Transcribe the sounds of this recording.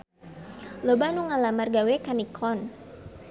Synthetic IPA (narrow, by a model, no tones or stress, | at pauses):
lobanuŋalamarɡawekanikʰɔn